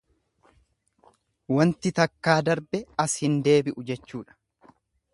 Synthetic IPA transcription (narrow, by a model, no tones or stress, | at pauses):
wɐnt̪ɪt̪ɐkːaːd̪ɐɾbɛɐshɪnd̪e̞ːbɪʔʊd͡ʒɛt͡ʃːuːᶑɐ̥